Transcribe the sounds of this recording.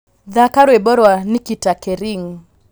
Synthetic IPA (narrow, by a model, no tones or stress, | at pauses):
ðakaɾwebɔɾwanikitakɛɾiŋ